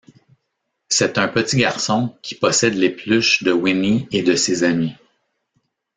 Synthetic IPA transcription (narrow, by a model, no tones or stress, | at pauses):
sɛt̪ə̃pət̪iɡʲaʁsɔ̃kʲi̥pɔsɛd̪leplʉʃd̪əwinied̪əsezami